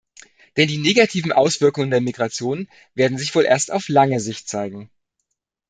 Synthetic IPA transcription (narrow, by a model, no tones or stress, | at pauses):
d̥ɛndiːneːɡatʰiːvn̩ʔaʊsv̥ɪɐkʊŋəndeːɐmiɡʁat͡sjoːn | v̥eːɐdn̩zɪçv̥oːlʔḛːɐsta̰ʊflaŋəzɪçt̚t͡saɪɡŋ̩